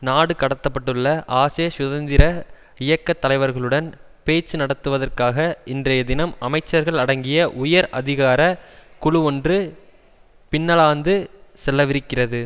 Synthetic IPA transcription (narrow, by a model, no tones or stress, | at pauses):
naːɽɯkɐɽɐt̪ːɐpːɐʈːɯɭːɐʔaːsɐjɐsʊðɐnd̪ɪɾɐ | ɪjɐkːɐt̪ːɐlɐɪʋɐɾɣɐɭɯɽɐn | peːt͡ʃːɯnɐɽɐt̪ːɯʋɐðɐrkaːɣɐɪndrɐjɐd̪ɪnɐmɐmɐɪt͡ʃːɐɾɣɐɭɐɽɐŋɡɪjɐʔʊjɐɾʔɐðɪɣaːɾɐkʊɻʊɔndrɯ | pɪnːɐɭaːnd̪ɯsɛlːɐʋɪɾɯkːɪrɐðɯ